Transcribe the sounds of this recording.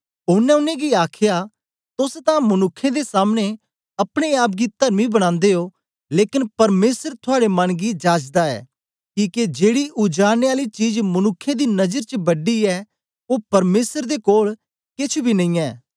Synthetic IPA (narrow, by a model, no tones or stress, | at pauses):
ʊnːɛ̃ʊnːẽɡiaːkʰja | t̪ʊst̪ãmɐnʊkʰːẽd̪esaːmne | ɐpɽ̃eaːp̬ɡit̪ɐɾmibɐɽ̃ãːnd̪eo | leːkɪnpɐɾmeːsəɾt̪ʰʊaːɽemɐnɡid͡ʒaːd͡ʒd̪aɛ̰ː | kiːked͡ʒeːɽiʊd͡ʒaːneaːlit͡ʃiːd͡ʒmɐnʊkʰːẽd̪inɐd͡ʒəɾt͡ʃəbɐɖiɛː | opɐɾmeːsəɾd̪ekoːl | kɪt͡ʃʰbʱinɐ̃ĩːɛː